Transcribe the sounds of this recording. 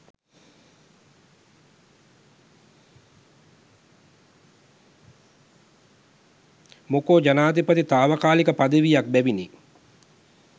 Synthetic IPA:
mokoːd͡ʒanaːt̪ipət̪it̪aːʋəkaːlikəpad̪əʋijak̚bɛʋini

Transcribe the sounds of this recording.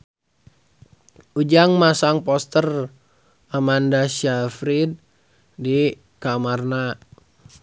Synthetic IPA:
ʔud͡ʒaŋmasaŋpɔst̪ər | amandaʃafɾid̚ː | i | kamarna

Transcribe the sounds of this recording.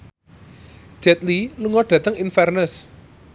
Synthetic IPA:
ʒ̥ɛt̪liluŋɔɖ̥ä̤t̪əŋinfɛrnəs

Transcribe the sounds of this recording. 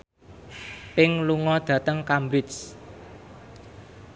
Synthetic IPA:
pɪŋluŋɔd̪̥ä̤t̪əŋkambɾɪt̪s

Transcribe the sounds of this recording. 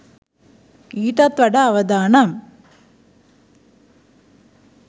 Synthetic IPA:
iːʈɐt̪ʋɐɽɐːʋɐd̪aːnɐm

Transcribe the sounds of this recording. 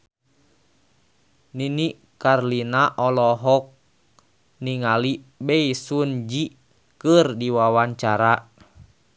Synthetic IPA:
niniʔ | karlinaʔɔlɔɦɔk̚ | niŋalibɛisund͡ʒi | kɨrdiwawaɲt͡ʃaɾa

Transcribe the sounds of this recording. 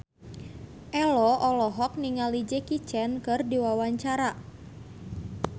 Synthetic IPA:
ʔɛlɔʔɔlɔɦɔk̚niŋalid͡ʒekit͡ʃɛnkɨrdiwawaɲt͡ʃaɾa

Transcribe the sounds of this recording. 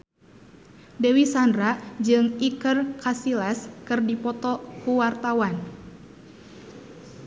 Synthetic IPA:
dɛwisandɾaʔd͡ʒɨŋikərkasilaskɨrdipɔt̪ɔkuwart̪awan

